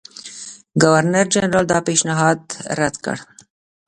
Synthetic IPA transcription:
ɡawaɾnaɾd͡ʒanɾɑld̪ɑpeʃnɪɦɑd̪ɾad̪kə̰ɽ

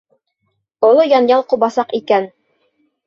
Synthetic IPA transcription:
ŏlˠojɑnjɑlˠquβɑsɑqikæn

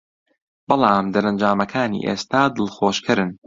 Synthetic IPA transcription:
b̥ɑlˠɑːmd̪ɐɾɐnd͡ʒaːmɐkʰaːnḭːʔḛːst̪aːd̪ɨlˠxoːʃkʰɨɾɨn

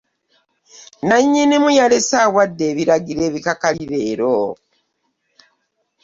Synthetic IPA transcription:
naɲːinimujalesaːwadːe̞ːβiɾaɡiɾe̞ːβikakaiɾe̞ːɾo

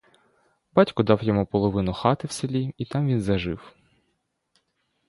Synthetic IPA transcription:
bɑtʲkʊd̪ɑwjɔmupɔlˠɔʋɪnʊxɑt̪ɪwselʲiit̪ɑmʋʲinzɐʒɪw

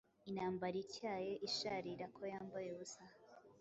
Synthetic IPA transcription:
inaːmbaɾiɾcaːjeʔiʃaɾiɾakʰo̞jaːmbajeβusaha

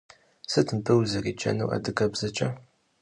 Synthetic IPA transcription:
sɨtʰɨmpʰɨwzɐriːt͡ʃʰʼɐ̰nṵwʔɐ̰dɨkʰɐbzɐt͡ʃʼɐ

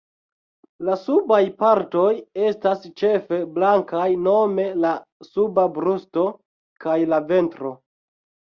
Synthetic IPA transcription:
lasubajpaɾto̞je̞stast͡ʃe̞fe̞blaŋkajno̞me̞la | subabɾusto̞ | kajlave̞ntɾo̞

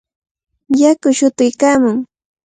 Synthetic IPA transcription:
jakʊʃʊt̪ɪjkaːmʊŋ

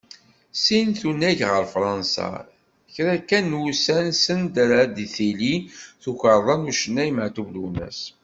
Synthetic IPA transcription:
sinθunːæʝʁəɾfɾˤɑnsɑ̰ | çɾækːænːusænsənd̪ɾad̪iθiliθuçəɾˤðˤɑnuʃənːæjəmʕt̪uvlunæ̰s

